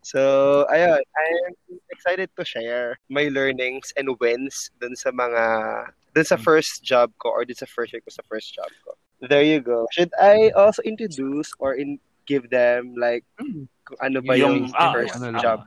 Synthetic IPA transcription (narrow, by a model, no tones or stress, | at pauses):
soʔɐjonʔajmɛksajt̪ɛd̪̚t̪ʊʃɛɹmajlɛɹnɪŋsɛ̃nd̪wɛnsd̪ʊnsɐmɐŋa | d̪ʊnsɐfɛɹst̪d͡ʒab̚koʔɔɹd̪ʊnsɐfɛstɛkosɐfɛɹst̪̚d͡ʒa̰b̚ko̰ | ðɛɹjʊɡowʃʊd̪ajʔolsoʔɪ̃nt̪ɹod̪usʔɔɹʔɪn | ɡ̥ɪvðɛmlajk̚ː | ʊŋʔɐnobɐjʊŋfɛɹsd͡ʒab̚